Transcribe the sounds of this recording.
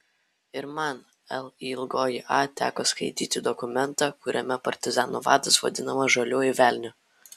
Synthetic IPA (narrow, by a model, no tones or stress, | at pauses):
ɪɾmɑn | ɛlˠiːɪlˠɡoːjɪʔɑːt̪ʲæ̰ːkoːskɐɪt̪ʲiːt̪ʲɪd̪ɔkʊmʲɛnˑt̪ɑːkʊɾʲʔɛmʲɛpɐɾʲt̪ʲɪzɑːnuʋɑːd̪ɐsʋɐ̰d̪ʲɪnɐmɐʒɐlʲuːɪʋʲæːˑlʲnʲʊ